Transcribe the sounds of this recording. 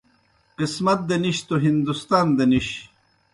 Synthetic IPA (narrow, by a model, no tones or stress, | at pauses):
qismɐt̪̚d̪eniɕt̪oɦind̪ust̪aːnd̪eniɕ